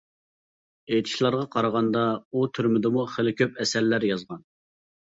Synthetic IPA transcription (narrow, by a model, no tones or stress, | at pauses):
et̪ʰɪ̥ʃlˠɑɾʁɑqʰɑɾəʁɑnd̪ɑut̪ʰyɾmɪd̪ɪmuχelɪkʲʰøpɛsɛlːæɾjɑzʁɑn